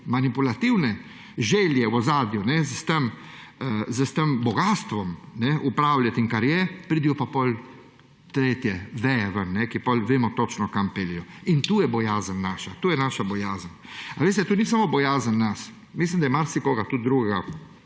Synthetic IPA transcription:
manipulat̪iwnɛ | ʒɛːljɛwɔzaːd̪junɛzəst̪əm | zəst̪əmbɔɡaːst̪ʋɔmnɛʔupɾaːwlʲjat̪iŋkaɾjɛpɾiːd̪ijɔpapɔl | t̪ɾeːt̪jɛʋɛjaʋənːɛkipɔlʲʋeːmɔt̪ɔt͡ʃnɔkampeːlijɔint̪uːjɛbɔjaːzənːaːʃat̪uːjɛnaʃabɔjaːzənaʋeːs̬t̪ɛt̪uːnis̬amɔbɔjaːzənːas | mislimd̪ajɛmaɾsikoːɡat̪ut̪̚d̪ɾuɡɛɡa

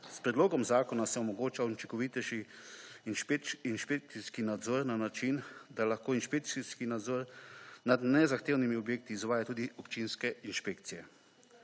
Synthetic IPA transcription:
spɾɛd̪loːɡɔmzaːkɔnasɛɔmɔɡoːt͡ʃaut͡ʃiŋkɔʋit̪ɛʃiː | nʃpeinʃpek̚t̪siskinad̪zɔɾnanat͡ʃind̪alaxkoːinʃpek̚siskinad̪zɔɾnad̪nɛzaxt̪eːwnimiɔbjeːk̚t̪iːzʋaːjat̪uːd̪iɔpt͡ʃinskɛinʃpeːk̚t̪sijɛ

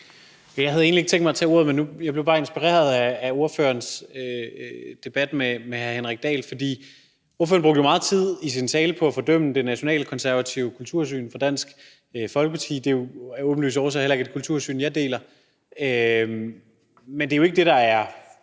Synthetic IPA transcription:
jɑ̈ɪɦæð̞̩ˠe̝ːnlieɡ̥t͡sʰeŋɡ̥mɑt͡sʰɛ̰ːo̝ɐ̰ð̞ˠmenːujɑɪb̥le̥ɑ̈ːe̝nsb̥iʁḛːɐð̞ˠæːo̝ɐfø̰ːɐnsød̥e̝b̥æd̥memehæɐhenʁɛɡ̥̚d̥ɛ̰ːlfɒ̽d̥ḭː | o̝ɐføːɐnbʁoɡ̥̚əomɑ̈ːð̩ˠt͡sʰið̞̰ˠisint͡sʰɛːləpʰɒ̽æfɒ̽d̥œm̰nəd̥enæɕo̝nɛ̰ːləkʰɒ̽nsæɐʋæt͡sʰiʊkʰult͡sʰuɐ̰s̬y̰ːnfɒd̥æn̰sɡ̥ | fɒ̽lɡ̥əpʰɑ̈t͡sʰḭːd̥e̝jo̝ɔb̥n̩ly̰ːsɒʊs̬ɒelɐeɡ̥æd̥e̥kʰult͡sʰuɐ̰sy̰ːnjɑ̈ɪd̥e̝̰ːlɐ | ø | mend̥e̝joe̝ɡ̥əd̥e̝ɾ̥ɑ̈æɐ

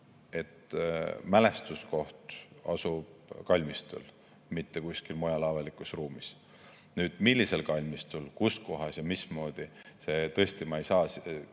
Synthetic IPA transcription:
e̞t̪mæle̞st̪usko̞ht̪ɑ̰sub̥kɑlʲmist̪ṵl | mit̪ːe̞kusʲkilmojɑlɑvɑlikˑusruːmis | nyːd̪̥milʲːise̞lkɑlʲmist̪ulkusko̞ɦɑsjɑmismo̞ːd̪̥ise̞t̪ɤesʲt̪imɑejsɑːs

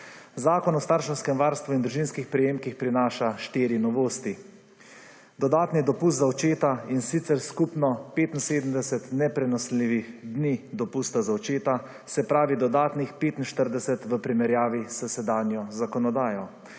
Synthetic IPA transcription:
zaːkɔnɔst̪aːɾʃnɔskɛmʋaːɾst̪ʋuind̪ɾuʒinskixpɾɛjeːmkixpɾinaːʃaʃt̪iːɾinɔʋoːst̪i | d̪ɔd̪aːt̪nid̪ɔpust̪zawt͡ʃeːt̪ainsit̪sɛɾskupnɔpeːt̪in̩seːd̪md̪ɛsɛt̪nɛpɾɛnɔsliːʋixd̪niːd̪ɔpuːst̪azawt͡ʃeːt̪a | sɛpɾaːʋid̪ɔd̪aːt̪nixpeːt̪in̩ʃt̪əɾd̪ɛsɛt̪ʋəpɾimɛɾjaːʋisəsɛd̪aːnjɔzakɔnɔd̪aːjɔ

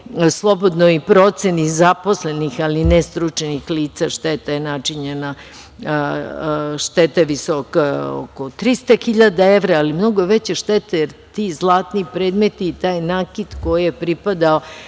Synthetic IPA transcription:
slˠo̞bod̪noipɾo̞t̪senizapo̞slenixalinest̪ɾut͡ʃenixliːt̪saʃt̪et̪ajenat͡ʃiɲena | ʃt̪et̪aʋiso̞kao̰kot̪ɾist̪axiʎad̪ae̞ʋɾaːlimno̞ɡoʋet͡ɕeʃt̪et̪ajeɾt̪izlˠaːt̪niːpɾe̞ːd̪me̞t̪iːt̪aːjnaːkid̪ko̞jijepɾipad̪ao

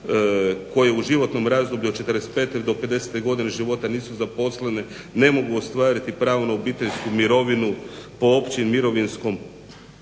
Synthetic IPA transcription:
ko̞jeuʒiʋo̞t̪no̞mɾaːzd̪obʎut͡ʃet̪əɾest̪̚pe̞t̪eɾd̪o̞pe̞d̪e̞se̥t̪eɡo̞d̪ineʒiʋo̞t̪aniːsuzapo̞slene | ne̞mo̞ɡuost̪ʋaːɾit̪ipɾaːʋnoobiːt̪eʎʲskumiɾo̞ʋinupo̞opt͡ʃimiɾo̞ʋinsko̞m

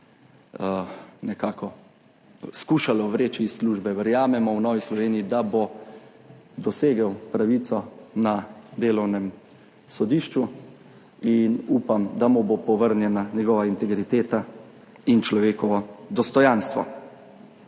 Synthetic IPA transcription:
nɛkaːkɔ | skuːʃalɔʋɾeːt͡ʃisːluːʒbɛʋəɾjaːmɛmɔwnɔːʋislɔʋeːniːd̪abo | d̪ɔseːɡəwpɾaʋiːt̪sɔnad̪eːlɔwnɛm | sɔd̪iːʃt͡ʃu | inuːpamd̪amubopɔʋəɾnjɛnaɲɛɡɔːʋaint̪ɛɡɾit̪eːt̪a | int͡ʃlɔʋeːkɔʋɔd̪ɔst̪ɔjanst̪ʋɔ̰

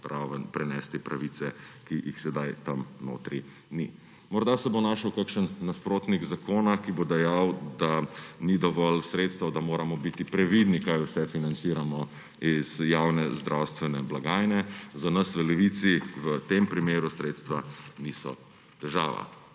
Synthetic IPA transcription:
ɾaʋənpɾɛnɛːst̪ipɾaʋiːt̪sɛkijixsɛd̪ajt̪amno̰ːt̪ɾi | nḭ | mɔɾd̪asɛbonaːʃəwkakʃənːaspɾoːt̪niɡzakoːnakibod̪ɛjawd̪anid̪ɔʋɔlsɾeːt̪st̪ʋɐd̪amoːɾamɔbit̪ipɾɛʋid̪nikajusɛfinant̪siːɾamɔ | iz̥jawnɛzd̪ɾʔawst̪ʋɛnɛblaɡaːjnɛzanɐsʋəlɛʋit̪siʋət̪empɾimeːɾusɾeːt̪st̪ʋanisɔ̰ | t̪ɛʒa̰ːʋa̰

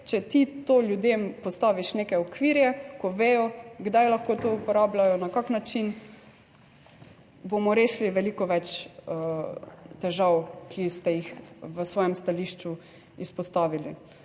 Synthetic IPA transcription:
t͡ʃɛt̪it̪oːljud̪empɔst̪aːʋiʃnekɛɔkʋiɾjɛkɔʋeːjɔɡd̪ajlaxkoːt̪oupɔɾaːblajɔnakaknat͡ʃin | bomɔɾeːʃliʋɛlikɔʋɛt͡ʃə | t̪ɛʒawkʰist̪ɛjixʋəsʋɔːjɛmst̪aliʃt͡ʃu | ispɔst̪aːʋili

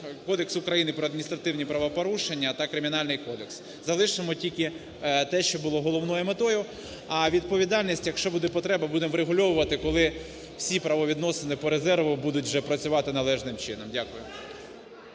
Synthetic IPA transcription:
kɔd̪eksʊkɾɐjinɪpɾɔɐd̪mʲinʲist̪ɾɐt̪ɪwnʲipɾɐʋɐpɔɾuʃenʲːɐt̪ɐkɾɪmʲinɑlʲnɪjkɔd̪eks | zɐlˠɪʃemɔtʲilʲkɪ | t̪ɛʃt͡ʃɔbʊlˠɔɦɔlˠɔwnɔjʊmet̪ɔjʊ | ɐʋʲid̪̚pɔʋʲid̪ɑlʲnʲisʲtʲjɐkʃt͡ʃɔbud̪ɛpɔt̪ɾɛbɐbud̪emɾeɦʊlʲɔwʊʋɐt̪ɪkɔlˠɪ | w̥sʲipɾɐʋɔʋʲid̪nɔsenɪpɔɾezɛrʋʊbud̪ʊtʲʒɛpɾɐt͡sʲʊʋɑt̪ɪnɐlˠɛʒnɪmt͡ʃɪnɔmdʲakʊjʊ

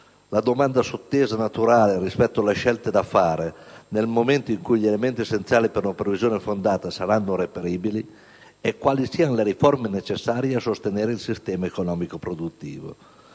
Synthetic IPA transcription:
lad̪omand̪asot̪ːeːzanat̪uɾaːlerispɛt̪ːoalːeʃɛlt̪ed̪afːaːɾenelmoment̪oiŋkujʎelement̪iesːent̪sjaːlipeɾunapɾevizjoːnefond̪aːt̪asaɾanːorepeɾiːbili | ɛkːwaːlisiːanleɾiformenet͡ʃesːaːɾjeasost̪eneːɾeilsist̪ɛːmaekonɔːmikopɾod̪ut̪ːḭːvo̰

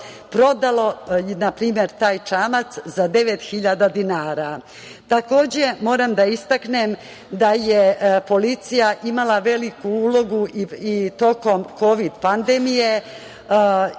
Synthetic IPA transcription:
pɾo̞d̪alˠo̞napɾiːme̞ɾt̪aːjt͡ʃaːmat̪szad̪e̞ʋet̪xiʎad̪ad̪inaːɾa | t̪ako̞ːd͡ʑe̞mo̞ːɾamd̪aist̪aknem | d̪ajepo̞lit̪sijaʔimalˠaʋe̞likuuːlˠo̞ɡuiit̪o̞ko̞mko̞ʋid̪pand̪emije̞

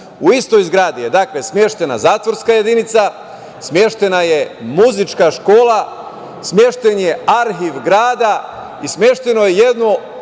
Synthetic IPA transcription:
uist̪o̞jizɡɾaːd̪ije̞d̪akle̞smje̞ʃt̪e̞na̰zaːt̪ʋo̞ɾskaje̞d̪init̪sa | smje̞ʃt̪e̞naje̞muzit͡ʃkaʃko̞ːla | smje̞ʃt̪enje̞aɾxiʋɡɾaːd̪a | ismje̞ʃt̪e̞nojeje̞d̪no

